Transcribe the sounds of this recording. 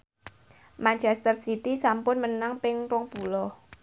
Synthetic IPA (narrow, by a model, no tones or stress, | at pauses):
mant͡ʃɛst̪ərsit̪isampʊnmənaŋpɪŋrɔŋpulɔ